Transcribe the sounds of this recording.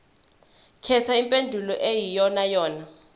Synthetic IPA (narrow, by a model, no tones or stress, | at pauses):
kʰɛt͡sʰaimpʼendʱulɔʔejijɔnajɔːna